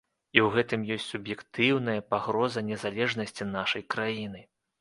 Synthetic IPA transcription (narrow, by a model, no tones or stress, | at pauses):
iwɣɛt̪ɨmjɔsʲt͡sʲsubjɛkt̪ɨwnɐjɐpaɣɾɔzɐnʲɛzalʲɛʐnɐsʲt͡sʲinaʂɐjkɾajinɨ